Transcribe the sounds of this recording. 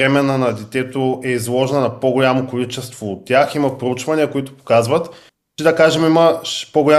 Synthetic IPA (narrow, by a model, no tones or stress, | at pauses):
ɾɛmɛnənɐd̪ɛt̪ɛt̪oɛizlˠɔʒɛnɐnɐpoɡʊlʲamokolit͡ʃɛst̪voːt̪ʲːjaximɐpɾout͡ʃvɐniəkʊit̪ʊ̥po̥kazvɐt̪ | t͡ʃɛd̪ɐkaʒɛmimɐʃpoɡʊlʲa